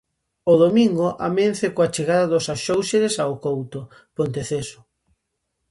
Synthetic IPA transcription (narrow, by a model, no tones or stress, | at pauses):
oðomiŋɡoʔamenθekoat͡ʃeɣaðaðosaʃowʃeɾesaokowt̪o | pont̪eθesʊ̥